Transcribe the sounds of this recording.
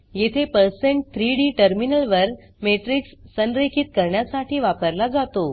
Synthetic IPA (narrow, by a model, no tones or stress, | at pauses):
jet̪ʰepəɾsẽɳʈ̚t̪ʰɾiɽiːʈəɾminəlʋəɾ | meʈɾiksːənɾekʰit̪̚kəɾɳjasaʈʰiːʋapəɾlad͡zat̪o